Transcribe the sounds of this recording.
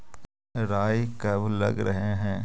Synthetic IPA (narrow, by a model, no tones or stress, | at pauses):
ɾaːjkɐblɐɡɾəɦeɦɛ̃ː